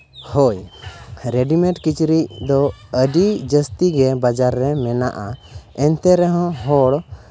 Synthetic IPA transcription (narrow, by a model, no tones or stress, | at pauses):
hɔj | ɾɛɖimɛ̃ʈkit͡ʃɾicd̪ɔəɖid͡ʒəst̪iɡɛbad͡ʒaɾːɛmɛna̰ʔaɛnt̪ɛɾɛɦɔ̃ɦɔɽ